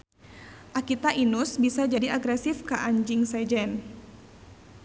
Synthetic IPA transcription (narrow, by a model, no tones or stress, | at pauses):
ʔakit̪aʔinusbisad͡ʒadiaɡɾɛsɪfkəʔaɲd͡ʒɪŋsad͡ʒɛn